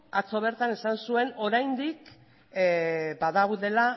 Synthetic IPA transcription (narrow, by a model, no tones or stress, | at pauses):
at͡so̞β̞e̞ɾt̪ane̞sansue̞no̞ɾajnd̪ik | baðaɣuðe̞la